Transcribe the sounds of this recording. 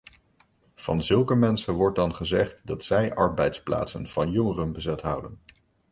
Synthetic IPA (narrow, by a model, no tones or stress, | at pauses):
v̥ɑ̰nzɵlˠkəmɛnsənʋɔɹt̚dɑnχəzɛχtdɑtsɛjʔɑɹbɛjtspla̰ːtsə̰nv̥ɑnjɔŋərənbəzɛtɦʌwdən